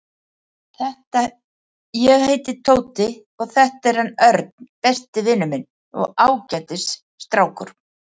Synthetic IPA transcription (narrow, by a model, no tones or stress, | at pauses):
θɛht̪a | jɛɣheːjt̪ɪt̪ʰoːwt̪ɪ | ɔɣθɛht̪aɛɾ̥hanœɾt̪̚n̥pɛst̪ɪvɪnːʏmɪn | ɔ̰ɣawcat̪ɪs | st̪ɾaːwkʏɾ̥